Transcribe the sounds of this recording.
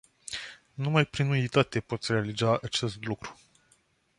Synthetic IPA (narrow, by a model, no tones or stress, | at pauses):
numajpɾinuit̪at̪e̞po̞t̪sʲɾe̞alizaat͡ʃe̞st̪lukɾu̥